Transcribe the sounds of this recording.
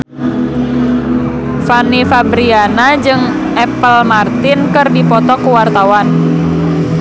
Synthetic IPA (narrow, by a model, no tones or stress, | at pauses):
fanifabɾianad͡ʒɨŋ | ɛpəlmart̪inkɨrdipɔt̪ɔkuwart̪awan